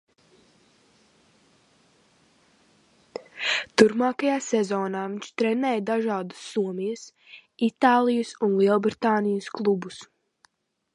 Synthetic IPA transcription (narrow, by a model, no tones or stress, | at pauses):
t̪uɾpmaːkajaːsɛzɔːnaːviɲʲʃt̪ɾɛnɛːjd̪aʒaːd̪u̥sːuɔmijɐs | it̪aːlˠijəsunlˠiɛlˠbɾit̪aːnijəsklˠubus